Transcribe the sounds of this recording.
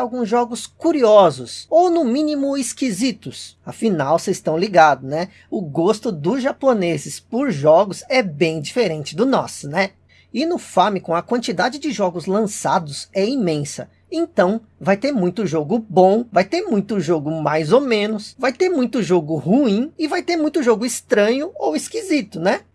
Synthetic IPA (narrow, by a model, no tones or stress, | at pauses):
awɡũzʒɔɡʊskuɾiɔzʊsownʊmĩnimʊɪskizit̪ʊsɐfinawsɪst̪ɐ̃w̃liɡad̪ʊnɛ | ʊɡost̪ʊd̪ʊzʒaponezɪspoɾʒɔɡʊzɛbẽj̃d͡ʒifeɾẽnt͡ʃɪd̪ʊnɔsʊnɛ | ɪnʊfɐmɪkõw̃ɐkwɐ̃nt͡ʃid̪ad͡ʒɪd͡ʒɪʒɔɡʊzlɐ̃sad̪ʊzɛimẽsɐ̰ | ẽnt̪ɐ̃w̃ | vajt̪eɾmũj̃t̪ʊʒoɡʊbõw̃vajt̪eɾmũj̃t̪ʊʒoɡʊmajzowmẽnʊsvajt̪eɾmũj̃t̪ʊʒoɡʊhuĩɪvajt̪eɾmũj̃t̪ʊʒoɡʊɪst̪ɾɐ̃ɲʊowɪskizit̪ʊnɛ